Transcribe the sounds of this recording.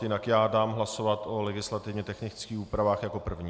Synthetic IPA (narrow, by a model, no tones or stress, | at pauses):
jɪnakjaːdaːmɦlaso̞vat̪ʔo̞lɛɡɪslat̪ɪvɲɛt̪ɛxnɪt͡skiːxuːpɾavaːxjako̞pr̩vɲi